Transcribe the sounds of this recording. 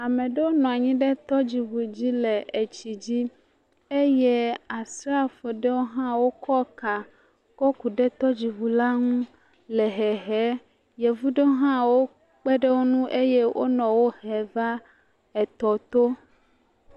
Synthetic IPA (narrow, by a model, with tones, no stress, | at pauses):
a˨mẽ˨ɖe˦wo˦nɔ̃˨a˨ɲĩ˦ɖe˦t̪ɔ˦d͡ʑi˨vu˨d͡ʑi˦le˨e˨t͡ɕi˨d͡ʑi˦ | e˦je˦a˨sɾa˦fe˨ɖe˦wo˦ɦã˦wo˦kʰɔ˦ka˨ | kɔ˦ku˨ɖe˦t̪ɔ˦d͡ʑi˨vu˨la˦ŋũ˦ | lɛ˨ɦɛ˨ɦɛ˨˦ | je˨vu˦ɖe˦o˦ɦã˦wo˦ | k͡pe˦ɖe˦wo˦nũ˦ʔe˦je˦wʔo̰˦nɔ̃˨wo˦hɛ˨va˦ | ɛ˨t̪ɔ˨t̪o˦